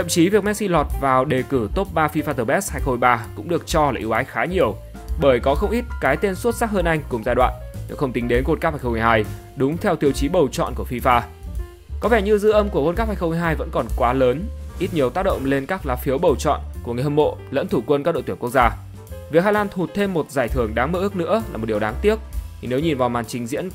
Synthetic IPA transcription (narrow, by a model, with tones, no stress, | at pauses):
t̪ʰə̰˧˨mt͡ɕi˨˦vi˨˩ək̚mɛ˦˥t̚si˧lɔ˨˩t̚vaː˨˩wɗe˨˩kɨ˧˩t̪o˦˥p̚ɓaː˧fi˧faː˧t̪əː˧˩ɓɛ˦˥s̚haː˧jxo˧jɓaː˧kʊ̰˧˥ŋ͡mɗɨ˨˩ək̚t͡ɕɔ˧laː˨˩ʔi˨˦waː˨˦jxaː˨˦ɲi˨˩əw | ɓəː˧˩jkɔ˨˦xə˧wŋ͡mʔi˦˥t̚kaː˨˦jt̪e˧nsu˦˥t̚saː˦˥k̚həː˧nʔa˧jŋ̟kʊ˨˩ŋ͡mzaː˧jɗwa̰ː˧˨nɲɨ̰˧˥xə˧wŋ͡mt̪i˨˦ŋɗe˨˦nko˧˥t̚kaː˦˥phaː˧jxə˧ŋ͡mɦaː˧j | ɗʊ˨˦ŋ͡mt̪ʰɛ˧wt̪i˧əwt͡ɕi˨˦ɓə˨˩wt͡ɕɔ̰˧˨nku˧˩əfi˧faː˧ | kɔ˨˦vɛ˧˩ɲɨ˧zɨ̰˧˥ʔə˧mku˧˩əkə˧nkaː˦˥phaː˧jxŋ͡mmː˧jɦaː˧jvə̰˧˥nkɔ˨˩nkwaː˨˦ləː˨˦nʔi˦˥t̚ɲi˨˩əwt̪aː˦˥k̚ɗə̰˧˨ŋ͡mle˧nkaː˦˥k̚laː˨˦˥fi˨˦əwɓə˨˩wt͡ɕɔ̰˧˨nku˧˩əŋɨ˨˩jhə˧˩mo̰˧˨lə̰˧˥nt̪ʰu˧˩kwə˧nkːaː˦˥k̚ɗo̰˧˨t̪wə˨ku˦˥ək̚zaː˧ | vi˨˩əhaː˧laː˧nt̪ʰu˨˩t̚t̪ʰe˧mːo˨˩t̚zaː˧˩jt̪ʰɨ˨˧˩əŋɗaː˨˦ŋməː˧˩ʔɨ˦˥ək̚nɨ̰˧˥əlaː˨˩mo˨˩t̚ɗi˨˩˨ɗaː˨˦ŋt̪i˦˥ək̚ʰi˨˩ne˨˦wɲi˨˩nvaː˨˩wmaː˨˩nt͡ɕï˨˦ŋ̟zḭ˧˥ən